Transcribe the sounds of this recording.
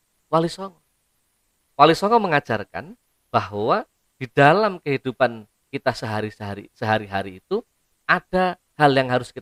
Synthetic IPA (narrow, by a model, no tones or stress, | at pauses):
walisɔŋɔ | walisɔŋɔməŋḁd͡ʒarka̰n | b̥ahwa | d̥id̥alamkəɦid̥upan | kit̪asəɦaɾisəaɾisəɦaɾiɦaɾiːt̪u | ʔad̥a | haljaŋɦaɾʊskit̪